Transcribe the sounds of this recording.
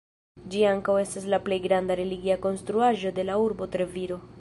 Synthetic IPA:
d͡ʒiaŋkawe̞staslaple̞jɡɾandaɾe̞liɡiako̞nst̪ɾuaʒo̞de̞lauɾbo̞tɾeviɾo̞

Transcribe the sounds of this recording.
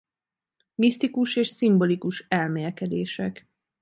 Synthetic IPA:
mist̪ikuʃeːʃsimbo̞likuʃɛlmeːlkɛd̪eːʃɛk

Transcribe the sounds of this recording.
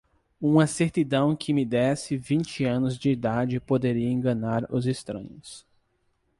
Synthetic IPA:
ũaseɾt̪id̪ɐ̃w̃kʰɪmɪd̪ɛsɪvĩt͡ʃɪɐ̃nʊzd͡ʒɪːd̪ad͡ʒɪpod̪eɾiɐẽŋɡɐ̃naɾʊzest̪ɾɐ̰̃ɲʊs

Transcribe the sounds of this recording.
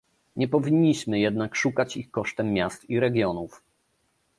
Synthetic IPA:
ɲɛpɔvʲiɲːiɕmɘjɛd̪nakʂukat͡ɕixkɔʂt̪ɛmːʲjast̪iɾɛɡʲjɔnuf

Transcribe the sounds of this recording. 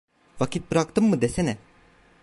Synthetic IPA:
ʋɐkit̪̚pɾakt̪əmːəd̪esenɛ

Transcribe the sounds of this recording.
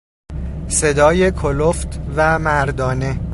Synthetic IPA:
se̞d̪ɒːje̞kʰoloft̪ʰvæmæɾd̪ɒːne

